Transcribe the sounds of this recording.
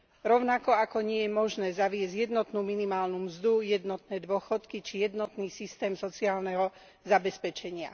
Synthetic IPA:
ɾɔʊnakɔakɔɲɪɛjɛmɔʒnɛːzaʋɪɛzɟjɛd̪nɔt̪nuːminimaːlnumzd̪ujɛd̪nɔt̪nɛːd̪ʊɔxɔt̪kit͡ʃijɛd̪nɔt̪niːsist̪ɛːmsɔt͡siaːlnɛɦɔ | zabɛspɛt͡ʃɛɲɪa̰

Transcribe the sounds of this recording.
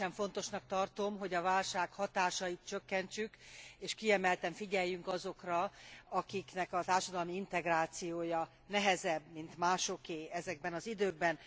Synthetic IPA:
ɛɱfo̞nt̪o̞ʃnɒk̚t̪ɒrt̪o̞mɦoɟɒvaːlʃaːkhɒt̪aːʃɒjit̪̚t͡ʃøkːɛnt͡ʃykeːʃkiɛmɛlt̪ɛɱfiɟɛjːyŋkɒzo̞krɒɒkiknɛkɒt̪aːrʃɒd̪ɒlmiint̪ɛɡraːt̪sijoːjɒ | nɛɦɛzɛbmint̪maːʃo̞keːɛzɛɡ̚bɛnɒzid̪øːɡ̚bɛn

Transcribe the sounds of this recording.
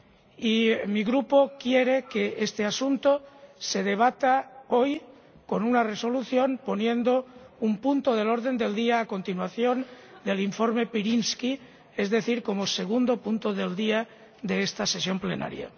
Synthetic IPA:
imiɣɾupo̞kje̞ɾe̞keʔest̪e̞asunt̪ose̞ð̞e̞β̞at̪ao̞j | ko̞nunare̞so̞luθjo̞npo̞njẽ̞nd̪o̞umpunt̪oðe̞lo̞ɾðe̞nd̪e̞ld̪iaːko̞nt̪inwaθjo̞n | d̪e̞liɱfo̞ɾme̞piɾinski | e̞zðe̞θiɾko̞mo̞se̞ɣ̞und̪o̞punt̪oðe̞ld̪ia | d̪e̞est̪ase̞sjo̞mple̞na̰ɾja̰

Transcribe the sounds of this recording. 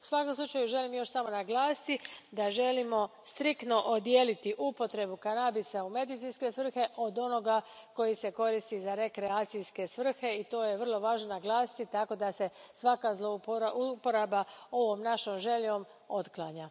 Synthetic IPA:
u̥sʋako̞mslˠut͡ʃajuʒe̞limjo̞ʃsamo̞naɡlaːsi̥t̪id̪aʒe̞limo̞st̪ɾikt̪no̞ʔod̪jeːlit̪iʔupo̞t̪ɾe̞bukanabisaume̞d̪it̪sinske̞sʋr̩xe̞ʔo̞d̪o̞no̞ɡako̞jise̞ko̞ɾist̪izaɾe̞kɾeaːt̪sijske̞sʋr̩xe̞it̪o̞ːjeʋr̩lˠo̞ʋaːʒnonaɡlˠaːsi̥t̪it̪ako̞d̪ase̞sʋakazlˠouaupoɾabao̞ʋo̞mnaʃomʒe̞ʎo̞m | o̞t̪klˠaɲa

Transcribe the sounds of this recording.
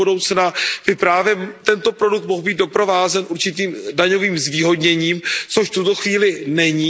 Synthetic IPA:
udo̞wt͡snab̥ɪpɾaːvjɛt̪ɛnt̪o̞pɾo̞duk̚t̪mo̞ɦbiːd̪do̞pɾovaːzɛnʔuɾt͡ʃɪt̪iːmdaɲo̞viːmzviːɦo̞dɲɛɲiːmt͡so̞ʃft̪ut̪o̞xviːlɪnɛɲiː

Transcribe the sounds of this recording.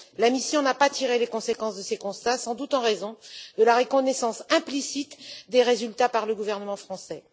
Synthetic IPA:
lamisjɔ̃napat̪ʰiʁelekɔ̃sekɑ̃sd̪əsekɔ̃st̪asɑ̃d̪ut̪ɑ̃ʁezɔ̃d̪əlaʁəkɔnɛsɑ̃sɛ̃plisit̪d̪eʁezylt̪apaʁləɡuvɛʁnəmɑ̃fχɑ̃sɛ

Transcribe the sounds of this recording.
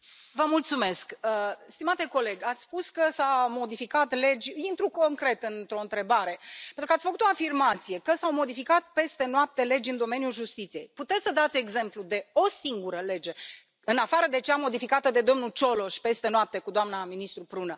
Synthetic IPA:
vəmult̪sume̞skəst̪imat̪e̞ko̞le̞ɡʲat̪sʲspuskəsamo̞d̪ifikat̪le̞d͡ʒʲint̪ɾuko̞ŋkɾe̞t̪ɨnt̪ɾo̞ɨnt̪ɾe̞baɾe̞pent̪ɾukat̪ʲfəkut̪o̞afirmat̪sije̞kəsawmo̞d̪ifikat̪̚pe̞st̪e̞noap̚t̪e̞le̞d͡ʒʲɨnd̪o̞me̞nijulʒust̪it̪sije̞jput̪et̪səd̪at̪sʲe̞ɡze̞mplud̪e̞o̞siŋɡuɾəle̞d͡ʒe̞ | ɨnafaɾəd̪e̞t͡ʃeamo̞d̪ifikat̪əd̪e̞d̪o̞mnut͡ʃo̞lo̞ʃpe̞st̪e̞noap̚t̪e̞kud̪oamnaminist̪ɾupɾunə

